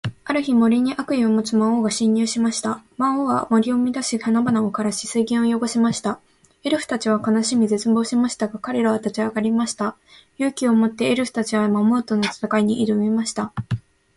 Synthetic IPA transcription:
aɾɯ̟çimo̞ɾʲiɲ̟iʔakɯ̟io̞mo̞t͡sɨmaoːɡaɕĩɲ̟ːɨːɕimaɕi̥t̪amaoβa̰mo̞ɾʲio̞mʲid̪aɕihanabanaokaɾaɕi̥sɨiɡʲẽɰ̃ojo̞ɡo̞ɕimaɕi̥t̪a | e̞ɾɯ̟ɸɯ̟̥t̪at͡ɕiβ̞akanaɕimʲize̞t͡sɨbo̞ːɕimaɕi̥t̪aɡakaɾe̞ɾaβat̪at͡ɕiaɡaɾʲimaɕi̥t̪a | jɯ̟ːkʲio̞mo̞t̪ːe̞ːɾɯ̟ɸɯ̟̥t̪at͡ɕiβamamo̞t̪onot͡sḁt̪akaiɲ̟iʔiɾɯ̟ɯmimaɕi̥t̪a

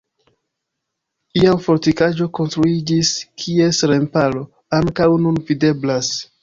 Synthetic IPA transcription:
iamfo̞ɾtikad͡ʒo̞ko̞nstɾuid͡ʒiskʰie̞sɾe̞mpalo̞ | aŋkawnunvide̞blas

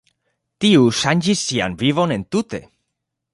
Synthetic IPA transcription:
t̪iusanʲd͡ʒisia̰nβiβonẽnt̪ut̪ḛ

